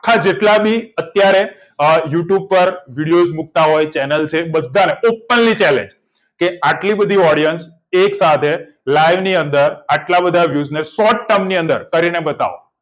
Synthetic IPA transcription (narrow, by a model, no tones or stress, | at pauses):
akʰad͡ʒeʈlabʱiət̪jaɾe | juʈjub̚pəɾʋiɽijod͡ʒmuk̚t̪aɦojt͡ʃɛnəlt͡ʃʰebəd̪ʱːaneopːənlit͡ʃɛlḛ̃ɲd͡ʒ | keaʈlibəd̪ʱiɔɽijəns | eksat̪ʰe | lajʋniənd̪əɾaʈlabəd̪ʱaʋjuznesɔʈʈəmniə̃nd̪ə̰ɾkəɾinebət̪a̰ʋo̰